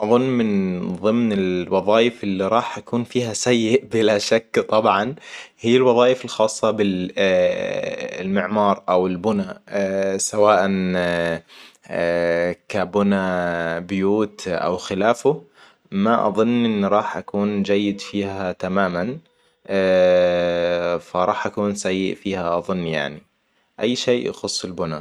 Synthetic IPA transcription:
ʔɑðˤʊnːmɪnðˤɨmnɪlwɑðˤɑːjɪfɪlːiɾˤɑːħʔakuːnfiːhasajːɪʔbɪlaʃakːt̪ˤɑbʕɑnhijːɪlwɑðˤɑːjɪfɪlxɑːsˤːɑbɪ | lmɪʕmɑːɾˤʔawɪlbʊna | sawaːʔan | kabʊnabjuːt̪ʔa̰wxɪlaːfʊ | maʔɑ̰ðˤʊnːʔɪnːɾˤɑːħʔakuːnd͡ʒajːɪd̪fiːhat̪amaːman | faɾˤɑːħʔakuːnsajːɪʔfiːhaʔɑðˤʊnːja̰ʕni | ʔajːʃeːʔjɑ̰xʊsˤːɪlbʊna

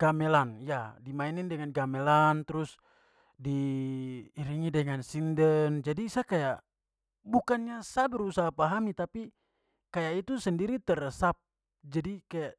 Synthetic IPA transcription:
ɡ̥amɛlanjadimainindɛŋanɡamɛlant̪ɾʊs | diː | ɾiŋidɛŋansindənd͡ʒadiːsakajaʔ | bukanɲasabəɾusaɦapaɦamit̪api | kajaʔit̪usəndiɾit̪ərsap̚ | d͡ʒadikajaʔ

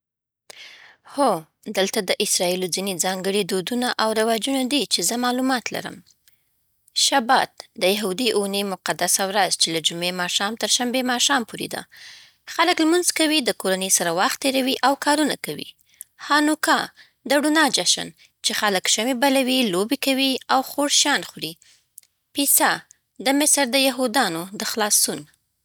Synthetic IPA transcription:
ho | d̪əlt̪ad̪əʔɪsɾɑilozined͡zɑŋɡəɽid̪od̪unaʔawɾawɑd͡ʒunad̪it͡ʃezəmɑlumɑt̪la̰ɾə̰m | ʃabɑ̰t̪̚d̪əjaɦud̪iʔunemʊqad̪asawɾazt͡ʃelad͡ʒumemɑʃɑmt̪əɾʃambemɑʃɑmpoɾḛd̪a̰ | xaləkləmʊnzkawid̪əkoɾanəjsaɾawaxt̪ːeɾawiʔawkɑɾuna̰kawḭ | hɑnukɑ | d̪əɽunɑd͡ʒaʃə̰n | t͡ʃexaləkʃamebalawilobekawiawxoɽʃjɑnxuɾi | pisa | d̪əmɪsɾd̪əjaɦud̪ɑnod̪əxlɑsun

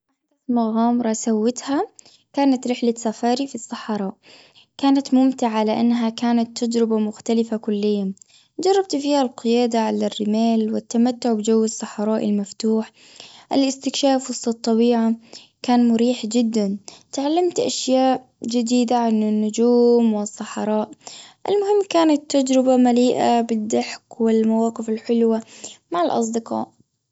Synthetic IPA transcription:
ʔaħd̪aθmaɣaːmɾˤɑsawːɪt̪ha | kaːnat̪ɾɪħlasafɑːɾifisˤːɑħɑɾˤɑːʔ | kaːnat̪mʊmt̪ɪʕaalaʔanːɦakaːnat̪ːad͡ʒɾɪbamʊxt̪alɪfakʊlːɪjːa | d͡ʒɑrˤːɑb̚t̪fiːhalqɪjaːd̪aʕalarːɪmeːlwɪt̪ːamat̪ːʊʕbɪd͡ʒawːɪsˤːɑħɑɾˤɑːʔɪ̰lmaft̪uːħ | ʔɪlɪst̪ɪkʃaːfwɨsˤːɨt̪ˤːɑbiːʕa | kaːnmʊɾiːħd͡ʒɪd̪ːant̪ʕalːamt̪ʔaʃjaːʔ | d͡ʒɪd̪iːd̪aʕanɪnːʊd͡ʒuːmwɪsˤːɑħɑɾˤɑːʔʔɪ̰lmʊhɪmːkaːnat̪ːad͡ʒɾɪbamaliːʔabɪd̪ːaħkwɪlmawaːqɪfɪlħɪlwamaʕɪlʔɑ̰s̬ˤd̪ɪqɑ̰ːʔ

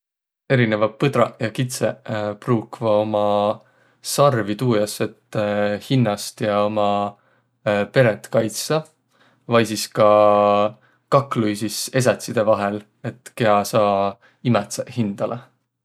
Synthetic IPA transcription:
e̞ɾine̞vɑːɤd̪ɾɑjɑkit̪sepruːkvɑo̞mɑ | sɑrvit̪uːjɑse̞t̪ːhinːɑst̪jɑo̞mɑ | pe̞ɾet̪ːˑkɑjt̪sɑ | vɑjsiskɑ | kɑkːˑlujsise̞s̬ɑt̪sid̪̥e̞vɑɦe̞l | e̞t̪ˑke̞ɑsɑː | imɛt̪sehind̪̥ɑle

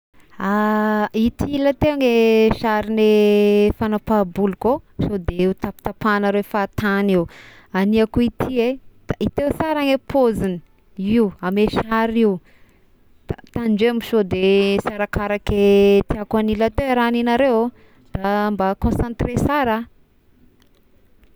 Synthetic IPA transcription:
ait̪ilat̪eaŋeʃaɾinefanapabulukoʃod̪eut̪api̥t̪apanaɾefat̪aniw | aniakuit̪ʰied̪̥ait̪ewsaɾaŋepʰozini̥ | iwameʃaɾiw | t̪at̪anɳd͡ʒemiʃod̪esaɾakaɾaket̪iakwanilat̪eɾaninaɾew | d̪̥ambakõsãnt̪resaɾa

